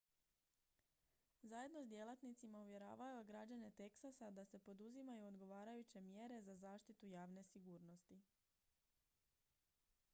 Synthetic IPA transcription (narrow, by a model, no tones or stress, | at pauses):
zaje̞d̪nosd̪je̞lˠat̪nit̪simauʋje̞ɾa̰ːʋajuɡɾad͡ʑane̞t̪e̞ksasad̪ase̞po̞d̪uzimajuod̪ɡo̞ʋaːɾajut͡ɕe̞mje̞ɾe̞zazaːʃt̪it̪ujaːʋne̞siɡuːɾno̞st̪i